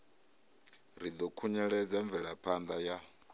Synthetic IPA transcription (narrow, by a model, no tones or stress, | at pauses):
ɾid̪ɔkʰuɲɛɺɛd͡zaɱb̪vɛɺapʰand̪aja